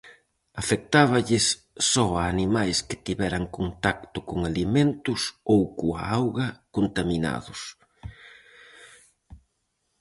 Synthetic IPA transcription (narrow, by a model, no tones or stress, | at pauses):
afek̚t̪aβɐʎɪsː | ɔaːnimajskɪ̥t̪iβɛɾaŋkont̪ak̚t̪ʊkoŋaliment̪ʊsowkoa̰awɣɐkont̪amina̰ðʊs